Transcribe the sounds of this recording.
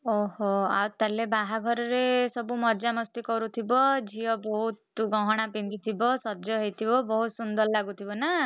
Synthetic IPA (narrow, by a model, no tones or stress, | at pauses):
oɦoa̰wt̪alebaɦaɡʱɔɾɔɾesɔbumɔd͡ʒamɔst̪ikɔɾut̪ʰibɔd͡ʒijɔbɔɦut̪ɡɔ̃ɦɔɽ̃apind̪it̪ʰibɔsɔd͡ʒɔɦejt̪ʰibɔbɔɦut̪sund̪ɔllaɡut̪ʰibɔna